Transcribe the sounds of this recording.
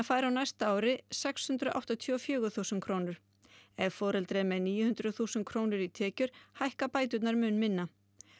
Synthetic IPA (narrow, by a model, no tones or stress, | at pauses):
afaːjɾawnajst̪aaːwɾɪsɛkshʏnt̪ɾʏa̰wht̪at̪ʰʏɔfjœːɣʏθuwsɛnkʰɾoːwnʏɾ̥ | ɛɣfɔːɾɛlt̪ɾɛmɛðniːjʏhʏnt̪ɾʏθuːsɛn̚kʰɾoːwnʏɾit̪ʰɛːcʏɾ̥hajhkapaːjt̪̬ʏt̪naɾmʏnmɪnːa